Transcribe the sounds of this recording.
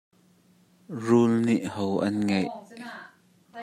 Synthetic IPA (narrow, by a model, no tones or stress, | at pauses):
rulniʔhowʔɐnŋejʔ